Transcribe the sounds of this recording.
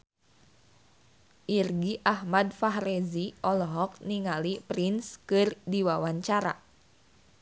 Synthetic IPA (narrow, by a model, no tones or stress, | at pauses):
ʔirɡiʔahmadfaɦɾeziʔɔlɔɦɔk̚niŋalipɾinskɨrdiwawaɲt͡ʃaɾa̰